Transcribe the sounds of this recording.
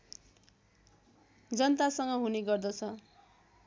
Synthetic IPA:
d͡zʌnt̪asʌŋɡʌɦuneɡʌrd̪ʌt͡sʰʌ

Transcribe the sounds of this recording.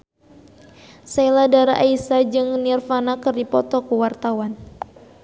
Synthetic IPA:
sajladaɾaʔaisad͡ʒɨŋnirfanakɨrdipɔt̪ɔkuwart̪awan

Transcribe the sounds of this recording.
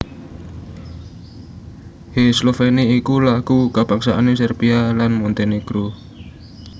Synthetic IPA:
heslofeniikulakukapaksaʔanesɛrpialanmunt̪enikɾu

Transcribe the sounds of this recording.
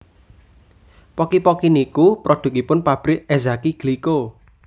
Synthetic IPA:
pɔkipɔkinikupɾod̪̥ṳkipʊnpab̥ɾɪkezakiɡ̥liko

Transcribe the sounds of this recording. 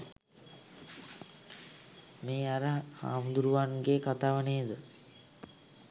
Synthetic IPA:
meːaɾəha̰ːmud̪uɾuʋanɡekat̪aːʋəneːd̪ə

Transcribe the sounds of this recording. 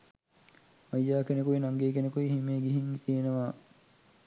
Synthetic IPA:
majːaːkenekuinaŋɡeːkenekuiɦimeːɡiɦiŋt̪ienəʋaː

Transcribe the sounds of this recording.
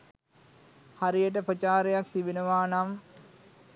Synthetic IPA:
haɾijəʈ̬əpɾət͡ʃaːɾejak̚t̪ibinəʋaːnam

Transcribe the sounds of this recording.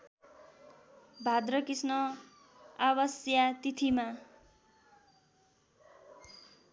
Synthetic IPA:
bʱad̪rʌkisnʌ | abʌsjat̪it̪ʰima

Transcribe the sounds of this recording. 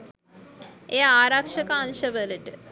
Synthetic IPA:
ejaaːɾakʂɐkaanʃəʋələʈə

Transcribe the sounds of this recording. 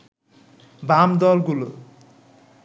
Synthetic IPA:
bamd̪ɔlɡulo

